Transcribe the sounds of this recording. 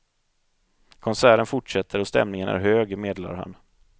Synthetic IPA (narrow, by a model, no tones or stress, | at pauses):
kʰɔnsæːɾənfʊʈʂɛt̪ʰːəɾɔst̪ɛ̰mnɪŋənæ̰ɾɦøːɡmeːd̪la̰ɾha̰n